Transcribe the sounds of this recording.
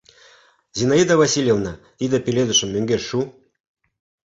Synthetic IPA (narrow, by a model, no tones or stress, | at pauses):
zʲinaid̪avasʲilʲjevnɑ | id̪epʲelʲed̪uʃə̆mːøŋɡʲeʃʃu